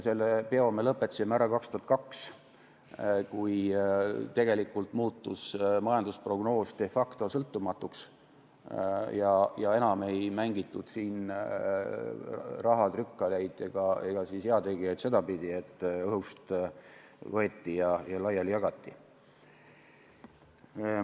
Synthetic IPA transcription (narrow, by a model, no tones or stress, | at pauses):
se̞lːepeo̞melɤpːˑet̪ːɑ̥simæɾɑkɑkst̪uɑt̪̚kɑks | kuj | t̪e̞ɡ̥e̞likːˑult̪muːt̪ːusmɑjɑnd̪uspro̞ɡ̥no̞ːst̪e̞fɑkt̪o̞sɤlt̪ːˑumɑt̪ːˑuks | jɑjɑe̞nɑme̞jmæŋɡit̪ːˑud̪̥siːn | rɑɦɑd̪rykːɑlæjd̪̥eɡ̥ɑeɡ̥ɑsisjeɑt̪e̞ɡ̥ijɑjt̪se̞d̪ɑpid̪̥ie̞t̪ːˑɤɦhust̪ | vɤet̪ːijɑjɑlɑjɑljɑɡ̥ɑt̪ːi